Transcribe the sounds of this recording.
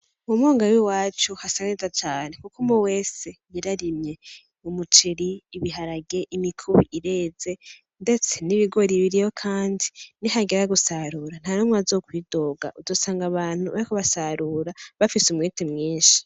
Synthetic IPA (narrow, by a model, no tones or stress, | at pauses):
mumoːŋɡawiwaːt͡ʃuhasanezat͡ʃaːne̞kukumowe̞ːse̞jiɾaɾimɲe̞ | umut͡ʃiɾiːβiɦaɾaɡe̞ʔimikʰuβiʔiɾe̞ːze̞ | nde̞t͡se̞niβiɡo̞ɾiβiɾijo̞kʰaːndiniɦaɡeɾaɡusaɾuːɾan̥anomŋazo̞ːkwiːdo̞ːɡa̰ʔuzo̞ːsaːŋɡaβaːn̥huβaɾikuβasaɾuːɾaβafisumŋiːtimŋiːʃi̥